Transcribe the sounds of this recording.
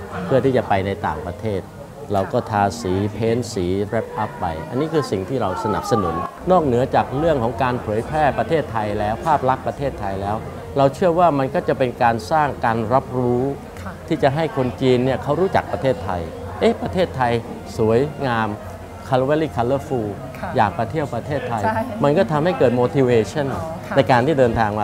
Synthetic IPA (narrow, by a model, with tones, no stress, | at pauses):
pʰɯ˥˩ət̪ʰiː˥˩t͡ɕa˨˩pa˧jna˧jt̪aː˨˩ŋpɾa˧t̪ʰeː˥˩t̪̚ | ɾa˧wkɔː˥˩t̪ʰaː˧siː˩˦pʰeː˦˥nsiː˩˦ɾɛ˦˥p̚ʔa˦˥pːa̰˧jʔa˧nːiː˦˥kʰɯː˧si˨˩ŋt̪ʰiː˥˩ɾa˧wsa˧na̰˨˩p̚sa˧nu˩˦n | nɔː˥˩k̚nɯ˩˦ɐt͡ɕaː˨˩k̚ɾɯ˥˩əŋkʰɔː˩˦ŋkaː˧npʰɤː˩˦jpʰɛː˥˩pɾa˧t̪ʰeː˥˩t̪ʰːa˧jlɛː˦˥wpʰaː˥˩p̚la˦˥k̚pːɾa˧t̪ʰeː˥˩t̪ʰːa˧jlɛː˦˥w | ɾa˧wt͡ɕʰɯ˥˩əwaː˥˩ma˧nkɔː˥˩t͡ɕa˨˩pe˧nkaː˧nsaː˥˩ŋkaː˧nɾa˦˥p̚ɾuː˦˥ | t̪ʰiː˥˩t͡ɕa˨˩ɦa˥˩jkʰo˧nt͡ɕiː˧nːi˥˩ɐkʰa˦˥wɾuː˦˥t͡ɕa̰˨˩k̚pɾa˧t̪ʰeː˥˩t̪ʰːa̰˧j | ʔe˦˥pɾa˧t̪ʰeː˥˩t̪ʰːa˧j | su˩˦əjŋaː˧m | kʰa˧lwe˦˥liː˥˩kʰa˧lːəː˦˥fuː˧ | jaː˨˩ŋpɾa˧t̪ʰi˥˩əwpɾa˧t̪ʰeː˥˩t̪ʰːa˧jma˧nkɔː˥˩t̪ʰa˧mha˥˩jkɤː˨˩t̪̚moː˧t̪ʰiː˧weː˧t͡ɕʰa˥˩nna˧jkaː˧nt̪ʰiː˥˩dɤː˧nt̪ʰaː˧ŋma˧